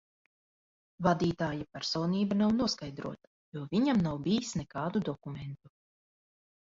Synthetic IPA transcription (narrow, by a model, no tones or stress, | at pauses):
vad̪iːt̪aːjapæɾsɔːniːbanawnuɔskajd̪ɾṵɔt̪ḁjuɔviɲamnawbijisnɛkaːd̪ud̪ɔkument̪u